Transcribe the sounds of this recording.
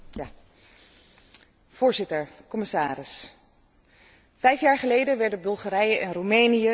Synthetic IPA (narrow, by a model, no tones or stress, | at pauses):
v̥ʊːɹzɪtəɹkɔmɪsaːrɪs | vɛjfjaːɹχəlejdənʋɛɹdəbɵlˠχaːɾɛjəʔɛnrumejnijə